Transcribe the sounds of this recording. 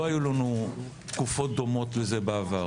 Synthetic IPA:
oajulanu | t̪kufo̞t̚d̪o̞mo̞t̪leze̞beava

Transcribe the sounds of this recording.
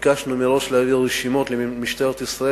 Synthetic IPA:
kaʃnumeʁo̞ʃleaviʁːeʃimo̞t̪lemiʃt̪eʁet̪isʁa

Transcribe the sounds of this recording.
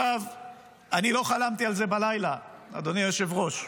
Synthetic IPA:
av | anilo̞χalamt̪ialze̞balajlaa̰d̪onijoʃevʁo̞ʃ

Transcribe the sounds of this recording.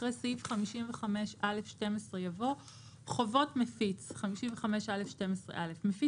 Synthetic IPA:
ʁesivχamiʃimveχameʃʔalefʃte̞mesʁejavo̞ | χovo̞tmefit͡sχamiʃimveχameʃalefʃte̞mesʁḛʔalefmefi

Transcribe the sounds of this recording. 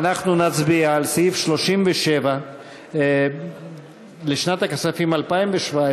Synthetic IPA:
anaχnunat͡sbiaːlsiifʃlo̞ʃimveʃe̞va | leʃnat̪akasafimalpaimveʃvae

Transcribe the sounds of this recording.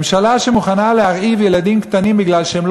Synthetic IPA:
mʃalaʃemuχanaleaʁivje̞lad̪imkt̪animbiɡlalʃeeml

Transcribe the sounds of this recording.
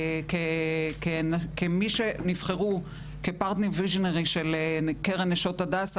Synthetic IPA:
kekenkemiʃenivχeʁu | kepaʁt̪neʁviʒoneʁiʃelekeʁeneʃotadaːs

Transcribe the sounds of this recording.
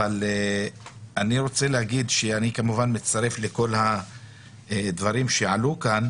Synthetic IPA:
vale | aniʁo̞t͡se̞lehaɡid̪ʃeanikamuvanmet͡saʁe̞fle̞ko̞lha | d̪vaʁimʃeʕalukan

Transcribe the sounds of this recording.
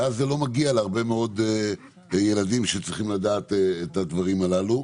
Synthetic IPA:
azːelo̞maɡialeaʁbe̞meo̞d̪ | je̞ladimʃet͡sʁiχimlad̪aːt̪eet̪ad̪vaʁimalalu

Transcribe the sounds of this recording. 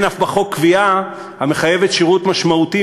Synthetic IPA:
nafbaχokːvia | hame̞χaje̞vetʃiʁutmaʃmauti

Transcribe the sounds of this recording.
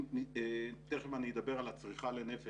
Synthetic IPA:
it̪eemanijd̪abeʁalat͡sʁiχalenefe

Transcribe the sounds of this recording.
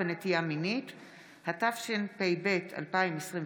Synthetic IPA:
enetijaminit | hatafʃenpejbe̞tʰa̰lpaimesʁĩ

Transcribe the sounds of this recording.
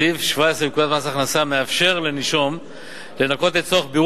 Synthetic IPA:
ivʃvaesʁebekud̪at̪masaχnasame̞afʃe̞ʁle̞niʃo̞m | le̞nako̞t̪et̪t͡soaχbi

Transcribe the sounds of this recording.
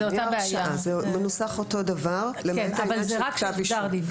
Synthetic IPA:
oabeajʃaaʔazemenusaχoto̞davaʁlemaavalzʁaʃaviʃaʁd̪i

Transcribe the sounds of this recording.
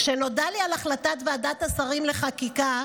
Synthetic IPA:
ʃeno̞dalialaχlatat̪veadat̪asaʁimle̞χakika

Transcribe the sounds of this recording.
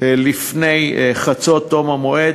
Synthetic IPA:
lifnejχat͡sot̪ːomamoʔed

